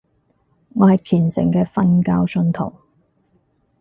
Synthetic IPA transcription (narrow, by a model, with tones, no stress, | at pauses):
ŋɔː˨˧hɐ˨jkʰiː˨˩nsɪ̰˨˩ŋkɛː˧fɐ˥nkaː˥wsɵ˧nt̪ʰo̰˨˩w